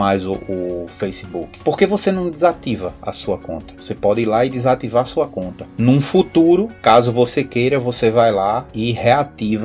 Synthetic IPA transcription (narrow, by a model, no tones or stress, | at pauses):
majzʊːfejsibukɪ̥poɾkevosenɐ̃w̃d̪ɪzat̪ivɐɐ̰suɐkõ̰nt̪ɐvosepɔd̪ɪiɾlaɪd̪ɪzat̪ivaɾɐsuɐkõnt̪ɐnũfut̪uɾʊkazʊvosekejɾɐvosevajlaɪheat̪ivɐ